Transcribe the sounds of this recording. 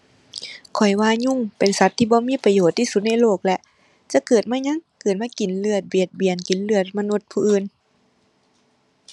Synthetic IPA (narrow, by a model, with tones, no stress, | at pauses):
kʰɔ˨˩jwaː˧˨ɲu˧˥˨ŋpe˨˩nsa˧˦t̪ʰːiː˧˩bɔː˧˦miː˧˥˨pa˧joː˨˩t̪ʰːiː˧su˧˦t̪̚na˧˥jloː˧˩k̚lɛ˧ʔ | t͡ɕa˧˦kɤː˨˩t̪̚maː˧˥˨ɲa˧˥˨ŋkɤː˨˩t̪̚maː˧˥˨ki˨˩˦nlɯ˧˩ət̪̚bi˨˩ət̪̚bi˨˩ənki˨˦nlɯ˧˩ət̪̚ma˧nu˧˦t̪̚pʰuː˧ʔɯː˧˩n